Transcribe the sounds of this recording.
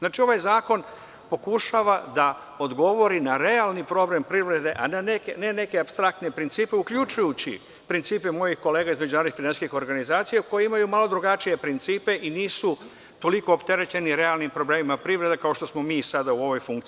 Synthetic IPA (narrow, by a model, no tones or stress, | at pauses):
znaːt͡ʃio̞ʋajzaːko̞n | po̞kuʃaʋad̪a | o̞d̪ɡo̞ʋo̞ɾinaɾe̞alˠnipɾo̞ble̞mpɾiʋɾe̞d̪e̞ʔananekene̞ne̞ke̞apst̪ɾakt̪ne̞pɾint̪siːpe̞ukʎut͡ʃujut͡ɕḭ | pɾint̪siːpemo̞jixko̞le̞ːɡaizme̞d͡ʑunaɾd̪ikfinansi̥skixo̞ɾɡanizaːt̪sijako̞jeimajumalo̞d̪ɾuɡat͡ʃije̞pɾint̪siːpe̞ʔiniːsu | t̪o̞liko̞ːpt̪e̞ɾe̞t͡ɕe̞niɾe̞alˠnimpɾo̞blemimapɾiʋɾe̞d̪akao̞ʃt̪osmo̞miːsad̪auo̞ʋo̞jfuŋkt̪i